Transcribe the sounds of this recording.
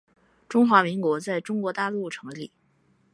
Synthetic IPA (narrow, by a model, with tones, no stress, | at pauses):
ʈ͡ʂʊ˥ŋxwa˧˥mi˧˥ŋkwɔ˧˥t͡sa˥˩ɪʈ͡ʂʊ˥ŋkwɔ˧˥t̪a˥˧lu˥˩ʈ͡ʂʰɤ˧˥ŋli˨˩˦